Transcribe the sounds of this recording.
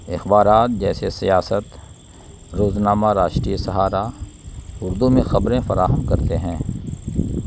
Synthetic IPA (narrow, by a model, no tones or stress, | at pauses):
ɪxbaːɾaːt̪̚d͡ʒɛːsesijaːsət̪ | ɾoːznaːmaɾaːʃʈɾisɐɦaːɾa | ʊɾd̪umẽxɐbɾẽfɐɾaːɦəmkɐɾt̪eɦɛ̃ː